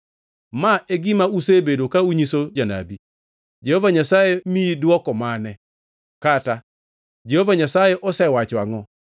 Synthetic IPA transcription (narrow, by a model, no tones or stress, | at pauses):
maʔeɡɪmausebedokauɲisod͡ʒana̰bi | d͡ʒehovaɲasajemiidwɔkɔmanɛ | kata | d͡ʒehovaɲasajeʔɔsɛwat͡ʃwaŋɔ